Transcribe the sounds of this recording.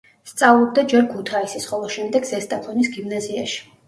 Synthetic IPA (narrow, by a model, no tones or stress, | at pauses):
st̪sʼavlˠɔb̚d̪ad͡ʒɛɾkʰut̪ʰaisisχɔlˠɔʃɛmd̪ɛɡzɛst̪ʼapʰɔnisɡimnaziaʃi̥